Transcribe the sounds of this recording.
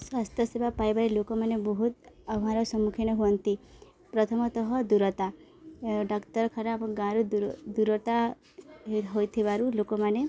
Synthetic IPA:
swast̪ʰjɔsebapajbaɾilokɔmanebɔɦut̪abɦaɾɔsɔmukʰiñɔɦuɔnt̪i | pɾɔt̪ʰɔmɔt̪ɔɦɔd̪uɾɔt̪a | ɖɔkt̪ɔɾɔkʰaɾabɔɡãɾud̪d̪uɾɔt̪a | ɦojt̪ʰibaɾulokɔmane

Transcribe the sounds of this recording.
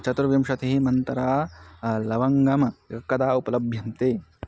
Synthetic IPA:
t͡ʃɐt̪ɾɐʋjɐmʃɐt̪eɦimɐnt̪ɐɾaːlɐʋɐŋɡɐmɐjɐkːɐd̪aːupɐlɐbʱjɐnt̪eː

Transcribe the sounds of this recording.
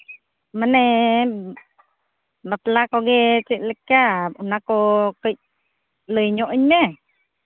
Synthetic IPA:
məne | bat̪lakoɡet͡ʃiʔləkːaunakokəj | ləjɲoʔiɲme

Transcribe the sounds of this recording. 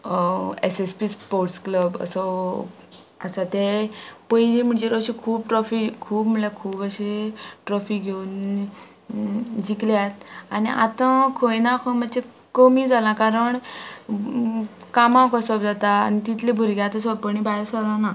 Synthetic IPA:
esespispoɾʈskləbə̰sɔ | əsat̪epəjlim̤əɳd͡ʑeɾɔɕekʰuːbʈɾɔfikʰuːbm̤əlakʰuːbəɕeʈɾɔfiɡʱeun | d͡ʑikljat̪aniʔa̰t̪ə̃kʰojnakʰomət͡ɕe | komiːd͡zalãkaɾəɳ | kamãkɔsɔbd͡zat̪aːnit̪it̪lebʱuɾɡjat̪əsɔɾpəɳibaeɾsəɾãna

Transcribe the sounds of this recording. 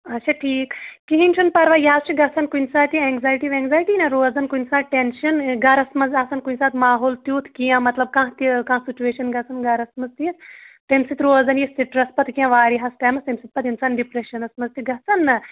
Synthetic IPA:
ɐtːʃʰaːʈʰiːkkiɦint͡ʃʰunpɐɾʋaːjaːzt͡ʃʰiɡɐt͡sɐnkunʲsaːt̪iɛːŋɡzaːjʈiʋẽːŋɡzaːjʈiːnɐɾoːzɐnkunʲsaːʈenʃɐnɡɐɾɐsmɐzɐsɐnkunʲsaːt̪ʰmaːɦoːlt̪juːt̪ʰkijãːmɐt̪lɐb̚kãːɦt̪ikãːsit͡ʃueːʃɐnɡɐt͡sɐnɡɐɾɐsmɐzt̪ijɐt̪ʰt̪ɐmsit̪ʰɾoːzɐnjist̪iʈɾɐspɐt̪kijãʋaːɾiɦɐsʈaːmɐst̪ɐmsit̪̚pɐt̪insaːnɖipɾeʃɐnɐsmɐzt̪iɡɐt͡sɐnːɐ

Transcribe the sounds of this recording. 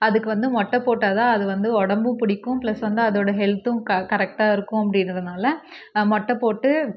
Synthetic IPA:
ɐðɯkːɯʋɐnd̪ɯmɔʈːɐpoːʈːaːðãːɐðɯʋɐnd̪ɯɔɽɐmbɯ̃pʊɽɪkːʊ̃plɐsʋɐnd̪ɯɐðoːɽɐɦɛlt̪ʊ̃kɐkɐɾɛk̚ʈaːɪɾɯkːʊ̃ɐpːɐɽɪnɾɐnaːlɐ | mɔʈːɐpoːʈːɯ

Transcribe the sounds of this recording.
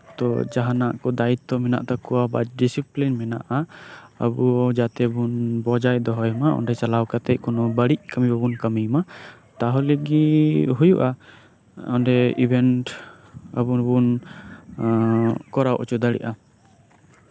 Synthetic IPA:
t̪ɔ̰d͡ʒaɦanaʔkɔd̪ait̪ːɔmɛna̰ʔt̪akɔwaba̰d͡ʒɖisiplinmɛna̰ʔaə̰buɔd͡ʒat̪ɛbunbɔd͡ʒajd̪ɔɦɔjmaɔ̰nɖɛt͡ʃalawkat̪ɛc̚kɔnɔbəɽic̚kəmibɔbunkəmima | t̪aɦɔleɡiɦujuʔa | ɔnɖɛibʱɛnʈ | ə̰bunbun | kɔɾawʔɔt͡ʃud̪aɽɛ̰ʔa

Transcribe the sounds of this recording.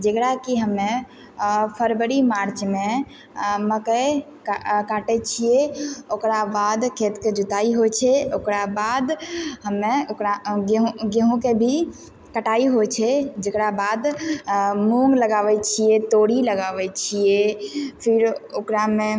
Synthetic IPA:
d͡ʒəkɾakiɦəmːe | pʰəɾbəɾimaɾt͡ʃme | məkəe | kkaʈɛt͡ʃʰijeokɾabad̪kʰet̪ked͡ʒut̪aiɦot͡ʃʰɛokɾabad̪ɦəmːeokɾaɡɦũɡeɦũkebʱi | kəʈaiɦot͡ʃʰɛd͡ʒekɾabad̪ | mũŋɡləɡaʋɛt͡ʃʰijet̪oɽiləɡaʋɛt͡ʃʰijepʰiɾokɾame

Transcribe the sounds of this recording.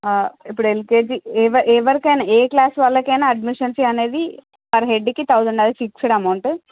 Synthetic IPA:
ipːuɽuelkeːd͡ʒieʋɐʔeːʋɐɾikɐjnɐeːklaːsʋɐlːɐkɐjnaːɐɖmiʂɐnsiɐne̞ːd̪i | ʋɐɾɐɦeɖːkit̪ɐwd̪uɳɖɐd̪ifiksɐɽɐmɐwɳʈ

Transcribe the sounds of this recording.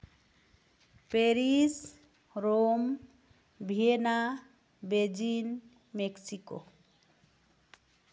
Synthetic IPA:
peɾis | ɾom | bʱiena | bed͡ʒin | meksiko̰

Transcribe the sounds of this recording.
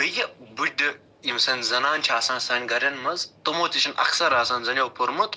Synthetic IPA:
ɐjɐbudɨ | imsɐnʲzɐnaːnʲt͡ʃʰaːsãːnsaːnʲɡɐɾʲɐnmɐzt̪omoːt̪ʲit͡ʃʰɐnʔɐ̰ksɐɾaːsɐːnzɐnʲɐwpuɾmɐt̪

